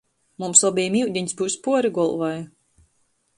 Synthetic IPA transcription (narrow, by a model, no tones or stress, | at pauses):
mumsɔbijmiwd̪ʲiɲsbuːspuɔɾiɡɔlˠvaj